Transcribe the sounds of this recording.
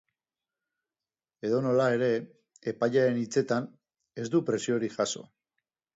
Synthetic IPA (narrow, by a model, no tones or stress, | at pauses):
e̞ðo̞no̞lae̞ɾe̞ | epaʎaɾe̞nit͡se̞t̪an | e̞zd̪upɾe̞sioɾixaso̞̰